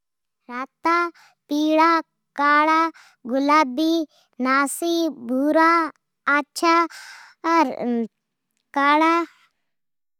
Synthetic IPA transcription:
ɾaːt̪a | piːɽaː | kaːɽa | ɡʊlaːbi | naːsibʱuːɾa | atːʃʰa | ɐɾ | kaːɽa

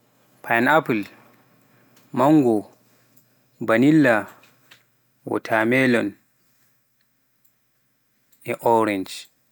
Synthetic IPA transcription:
pʰajnapul | maŋɡɔ | banilːa | wɔ̰tʰamɛlɔn | ɛʔɔɾɛnd͡ʒ

